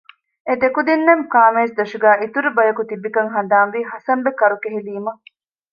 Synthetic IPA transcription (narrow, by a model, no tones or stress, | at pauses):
ed̪ekud̪inːemkaːmeːsd̪ɐʃuɡæːʔit̪uɾubɐjɐkut̪ibikɐŋɦɐnd̪aːnʋiːɦɐsɐmbekɐɾukeɦeliːmɐ